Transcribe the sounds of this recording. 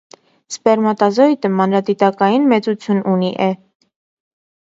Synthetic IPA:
spɛɾmɑt̪ɑzɔjt̪əmɑnɾɑd̪it̪ɑkɑjinmɛt͡sut͡sʰjununiʔɛ

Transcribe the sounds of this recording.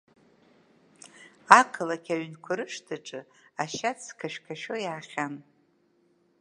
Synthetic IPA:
akʰɨlakʲʰaɥnkʷʰaɾɨʂtʰɨʈ͡ʂʼɨ | aʃat͡sʰkʰaʃᶣkʰaʃojaːχʲan

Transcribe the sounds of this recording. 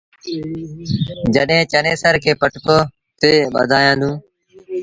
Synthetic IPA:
d͡ʒəɗɦẽːt͡ʃəneːsəɾkʰeːpəʈʰkoː | t̪eːɓə̰d̪ʱaːjãːd̪ũː

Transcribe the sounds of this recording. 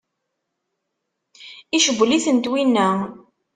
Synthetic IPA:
iʃəɡʷːliθənt̪winːæ

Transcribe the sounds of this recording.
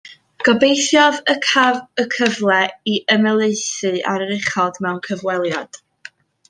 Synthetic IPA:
ɡ̥ɔbejθjɔðəkʰavəkʰəvlˠɛiʔəmɛlˠeɨθɨaɾəɾɪχɔdmɛwnkʰəvwɛlˠjad̥

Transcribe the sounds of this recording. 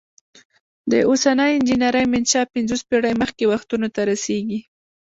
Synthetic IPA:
d̪əosanəjɪnd͡ʒinaɾəjmɪnʃɑpɪnzospeɽajməxkewaxt̪unot̪aɾaseɡi

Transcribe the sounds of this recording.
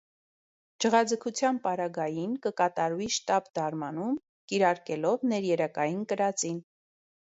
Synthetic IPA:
d͡ʒəʁɑd͡zəkʰut͡sʰjɑnpɑɾɑɡɑjinkəkɑt̪ɑɾviʃt̪ɑbd̪ɑɾmɑnum | kiɾɑɾkɛlɔvnɛɾjɛɾəkɑjinkəɾɑt͡sin

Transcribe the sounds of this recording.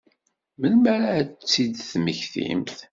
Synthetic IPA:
məlmæɾat͡sːid̪θməçθḭmθ

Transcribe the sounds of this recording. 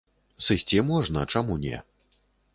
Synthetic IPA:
sɨsʲtt͡sʲɛmuaʐna̰t͡ʂamunʲɛ̰

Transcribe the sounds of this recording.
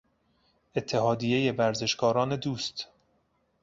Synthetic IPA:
e̞t̪ʰːeɦɒːd̪ije̞je̞væɾze̞ʃkɒːɾɒːne̞d̪uːst̪

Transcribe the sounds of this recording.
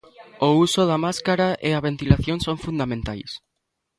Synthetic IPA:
ousoðɐmaskaɾaʔeaβent̪ilaθjoŋsoŋfund̪amẽnt̪ajs

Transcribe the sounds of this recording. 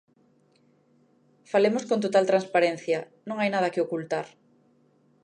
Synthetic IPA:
falemoskõnt̪ot̪alt̪ɾãnspaɾẽnθjɐ | nõŋajnað̞ɐkɪokult̪aɾ

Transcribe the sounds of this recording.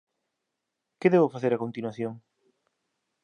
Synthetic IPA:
keðɛβʊfaθeɾɐkont̪inwaθjoŋ

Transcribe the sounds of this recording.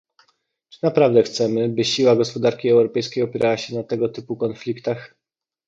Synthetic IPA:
t͡ʂɘ̥napɾavd̪ɛxt̪sɛmɘbɘɕiwaɡɔspɔd̪aɾkʲiɛwɾɔpɛjskʲejɔpʲjɛɾʔawaɕɛnat̪ɛɡɔt̪ɘpukɔnflʲikt̪ax

